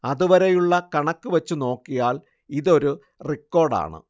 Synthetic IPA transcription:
ɐðuʋɐɾejuɭːɐkɐɳɐkːɨʋɐt͡ɕːuno̞ːkːijaːl | iðo̞ɾu | rikːo̞ːrɖa̰ːɳɨ̰

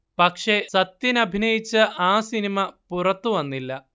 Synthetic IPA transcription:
pɐkʂesɐt̪jinɐbʱinɐjit͡ɕːɨʔaːsinimɐpurɐt̪ːuʋɐnːilːɐ

